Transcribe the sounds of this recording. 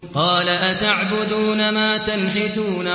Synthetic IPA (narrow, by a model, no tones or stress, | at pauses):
qɑːlaʔat̪aʕbʊd̪uːnamaːt̪anħɪt̪uːna